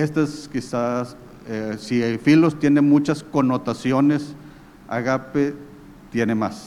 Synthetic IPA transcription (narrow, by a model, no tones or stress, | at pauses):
est̪aeskisas | esifilost̪jenemut͡ʃaskonot̪asjones | a̰ɣape | t̪jenemas